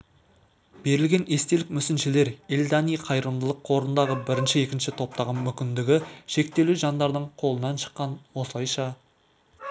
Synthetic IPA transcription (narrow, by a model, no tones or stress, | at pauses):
b̥e̞ɾɪlɡʲe̞ne̞st̪e̞lɪkmʏsɪnʃɪle̞ɾɪlʲd̪ɑnijqʰɑjɾəmd̪əlˠəqʰːo̞ɾənd̪ɑʁəbɪɾɪnʃɪe̞kʲɪnʃɪt̪ʰo̞p̚t̪ɑʁəmʏkʲɪnd̪ɪɡʲɪʃe̞k̚t̪e̞luʒɑnd̪ɑɾd̪əɴqʰo̞lˠənɑnʃə̥qːɑnwo̞səlˠɑjʃɑ